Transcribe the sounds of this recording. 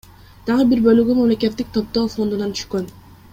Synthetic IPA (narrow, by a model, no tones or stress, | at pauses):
d̪̥ɑʁɯbiɾbølyɡʲymamle̞ke̞t̪ːik̚t̪ʰo̞p̚t̪o̞ːfo̞nd̪unɑnt̪ʰy̥ʃkø̞n